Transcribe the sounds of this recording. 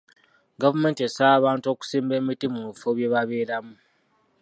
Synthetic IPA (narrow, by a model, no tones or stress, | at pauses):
ɡavume̞ːntiesaːβaːnto̞ːku̥siːmbe̞ːmitimuβifoβje̞βaβe̞ːɾamu